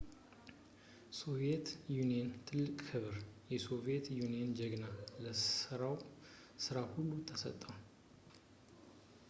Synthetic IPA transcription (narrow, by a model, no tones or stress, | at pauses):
so̞βiet̪junijent̪ʰɨlːɨkʼkʰɨβɨɾjɛso̞vie̞t̪juniend͡ʒɛɡnaləɨɾaw | sɨɾahulːut̪ʰːəsə̰t̪ʼːəw